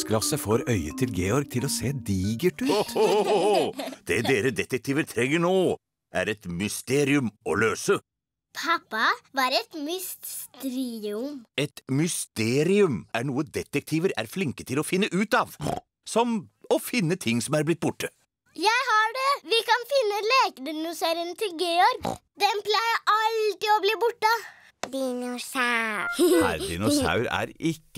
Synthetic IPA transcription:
skʰlɑsəfoːɾœʏət̪ʰɪlɡeːɔɾɡ̚t̪ʰɪloseːd̪iːɡəʈʉː | d̪̥ɛd̪eːɾəd̪ɛt̪ɛk̚t̪ʰiːʋəɾt̪ʰɾɛŋːəɳoː | ʔæ̰ɾɛt̪mʏst̪eːɾɪʉmɔløːsə | pʰɑpːɑʋɑɾɛt̪mʏst̪st̪ɾiːʉmɛt̪mʏst̪eːɾɪʉmæɳuːəd̪ɛt̪ɛk̚t̪ʰiːʋəɾæ̰ɾflɪŋkət̪ʰɪlɔfɪnːəʔʉːt̪ɑːʋ | sɔmɔfɪnːət̪ʰɪŋːsɔmæɾblɪt̪̚ːbʊʈːə | jæɪhɑɖɛʋɪkɑnfɪnːəleːkəd̪ɪnʊseɾənət̪ʰɪlɡeːɔɾd̪ɛnplæɪəʔɑlt̪ɪɔbliːbʊʈːə | d̪inusaɾæ̰ɾɪ̰nʊsɑ̰ʉɾæ̰ɾɪkː

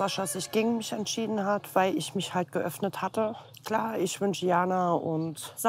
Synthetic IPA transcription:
aʃasɪçɡ̥ɪːɡŋ̩mɪçɛntʃiːdn̩hatv̥aɪlɪçmɪçhalt̚ɡ̥əʔœfnəthatə | kl̥aːɪçv̥ʏnʃəjaːnaʔʊntz̥a

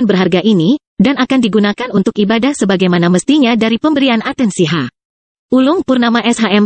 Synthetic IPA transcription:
nbərɦarɡaʔini | danakandiɡunakanunt̪ʊkibadahsəbaɡajmanaməst̪iɲadaɾipəmbəɾianat̪ɛnsiɦa | ʔulʊŋpʊrnamaʔɛsɦaʔɛm

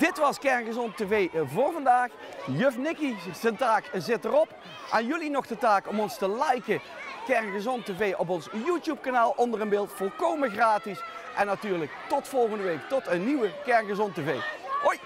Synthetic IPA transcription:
d̥ɪtʋɑskɛɹnɣəzɔntevejvʊːɹvɑndaːχ | jøfnɪkidəntaːkzɪtərɔp | ʔanjɵlinɔχdətaːkɔmɔnstəlɛjkə | kɛɹnɣəzɔnteːvejʔɔp̬ɔnsjuːtjup̚kanaːlˠʔɔndərənbɪːlˠtfɔlˠkowməɣraːtisʔɛnːatyːɹləktɔtfɔlˠχəndəʋejktɔtənːiʋəkɛɹnɣəzɔntevejoj

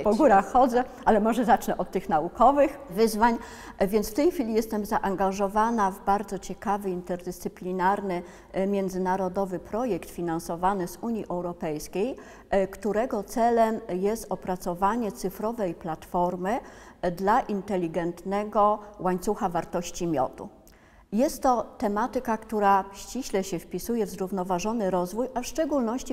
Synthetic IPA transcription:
pɔɡuɾaxxːɔd̪zɛʔalɛmɔʐɛzat͡ʂnɛʔɔt̪ːɘxnaukɔvɘxvɘzvaɲ | vʲjɛnsft̪ɛjxfʲilʲijɛst̪ɛmzaʔaŋɡaʐɔvanavbaɾd̪zɔt͡ɕɛkavɘint̪ɛɾd̪ɘst̪sɘplʲinaɾnɘ | mʲjɛnd̪zɘnaɾɔd̪ɔvɘpɾɔjɛkt̪fʲinansɔvanɘzuɲjiʔɛwɾɔpɛjskʲej | kt̪uɾɛɡɔt̪sɛlɛmjɛst̪ɔpɾat̪sɔvaɲɛt̪sɘfɾɔvɛjplat̪fɔɾmɘd̪laʔint̪ɛlʲiɡɛnt̪nɛɡɔwaɲt̪suxavaɾt̪ɔɕt͡ɕimʲjɔ̰t̪ṵ | jɛst̪ːɔt̪ɛmat̪ɘkakt̪uɾaɕt͡ɕiɕlɛɕɛfpʲisujɛvzɾuvnɔvaʐɔnɘɾɔzvujafʂt͡ʂɛɡulnɔɕt͡ɕi

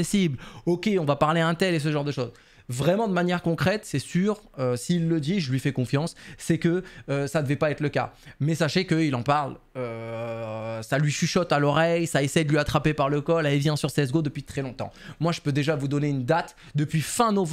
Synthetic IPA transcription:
esiblɔkʲeɔ̃vapaʁleɛ̃t̪ɛles̬əʒɑ̃ʁd̪əʃoːz | vʁɛmɑ̃d̪əmanjɛʁkɔ̃kχɛt̪sɛsyːʁøsiːlːəd̪iʒəlɥifɛkɔ̃fjɑ̃sːɛkəːsad̪əvɛpaɛt̪χləka̰mɛsaʃekəilɑ̃paʁlø | salɥiʃiʃɔt̪alɔʁɛjsaesɛjd̪əlɥiat̪χapepaʁləkɔlɛlvjɛ̃syʁseɛzɡod̪əpɥit̪χɛlɔ̃t̪ɑ̰̃mwaʒəpød̪eʒavud̪ɔneynd̪at̪ | d̪əpɥifɛ̃nɔv

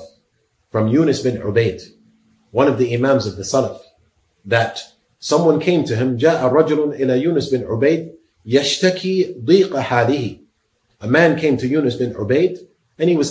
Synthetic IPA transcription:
fɹʌ̃mjunɨsbɨ̃nʕʊ̰beɪd̥ | wʌ̃nʌvðiɪmæ̃mzʌvðɨsɛləf | ðɨt | sʌ̃mwʌ̃nkʰẽɪ̃mtʰɨɨ̃md͡ʒaːʔəɾˤɑd͡ʒʊl̃nʔɪlajuːnɨsbɨ̃nʕʊbeɪd̚ | jaʃtakʰiðˤiːqɨħaːlɪhi | əmæ̃nkʰẽɪ̃mtʰɨjunɨsbɨ̃nʕʊ̰beɪd | ɨ̃nhiwʌz̥

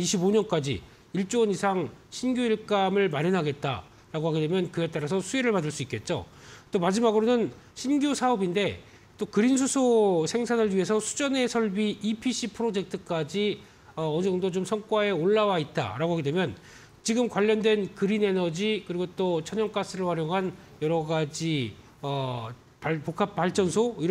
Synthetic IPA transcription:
iɕʰiboɲʌnk͈ad͡ʑḭ | iɭt͡ɕ͈onisʰaŋɕʰinɡjuiɭk͈amɯɭmaɾjʌnɦaɡe̞t̚t͈a̰ | ɾaɡoɦaɡide̞mjʌnkɯe̞t͈aɾas̬ʰʌsʰueɾɯɭpadɯɭs͈uik͈e̞t̚t͡ɕ͈o̰t͈omad͡ʑimaɡɯɾonɯn | ɕʰinɡjusʰaʌbinde̞ | t͈okɯɾins̬ʰusʰosʰe̞ŋsʰanɯɭɥiɦe̞sʰʌsʰu̥d͡ʑʌne̞sʰʌɭbiipʰiɕʰipʰɯɾod͡ʑe̞k̚tʰɯk͈ad͡ʑi | ʌʌnd͡ʑʌŋdot͡ɕomsʰʌŋk͈wae̞oɭːawait̚t͈a̰ɾaɡoɦaɡedwemjʌn | t͡ɕiɡɯmkwaʎːʌndwe̞nkɯɾine̞nʌd͡ʑikɯɾiɡot͈ot͡ɕʰʌɲʌŋk͈as͈ɯɾɯɭɸwaɾjoŋɦanjʌɾʌɡad͡ʑi | ʌ | papokʰap̚p͈aɭt͡ɕ͈ʌnsʰoiɾ

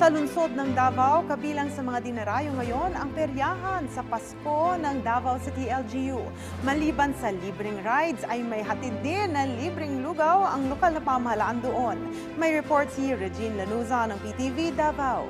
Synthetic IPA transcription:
sɐlʊnso̞d̪̚nɐŋd̪aːvɐwkɐbiːlɐŋsɐmɐŋad̪ɪnɐɾajoŋɐjo̞nɐŋpɛɾjaːɦɐnsɐpɐsko̞nɐŋd̪abɐwsit̪iʔɛld͡ʒiju | mɐliːbɐnsɐliːbɾɪŋɾajd̪sɐjmɐjɦɐt̪ɪd̪̚nɪnːɐlibɾɪŋluɡawɐŋlokalnɐpɐmɐhɐlaːʔand̪oʔo̞n | mɐjɹɛpo̞ɹt̪siɹɛd͡ʒinlɐnuːzɐnɐŋpit̪ivid̪aːbaw

